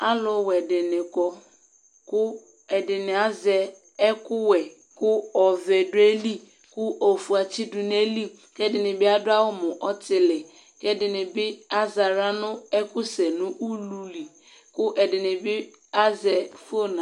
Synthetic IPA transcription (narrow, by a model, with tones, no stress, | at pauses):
a˦lɔ˨wɛ˨dɪ˨nɪ˨kɔ˨ | kʊ˦ | ɛ˨dɪ˨nɪ˨a˦zɛ˨ | ɛ˦kʊ˦wɛ˨ | kʊ˦ɔ˨vɛ˨dʊ˦e˦li˦ | kʊ˦ʔɔ˨fu˨a˨t͡ʃɪ˦dʊ˨n˦e˦li˦ | kɛ˦dɪ˨nɪ˨bɪ˦a˦dʊ˦a˦wʊ˦mʊ˨ʔɔ˦tɪ˨lɪ˨ | kɛ˦dɪ˨nɪ˨bɪ˦a˦za˨ɾa˦nʊ̃˦ɛ˦kʊ˦sɛ˨nʊ̃˦ʔu˦lu˨li˨ | kʊ˦ʔɛ˨dɪ˨nɪ˨bɪ˦ | a˦zɛ˨fu˦o˦nã˨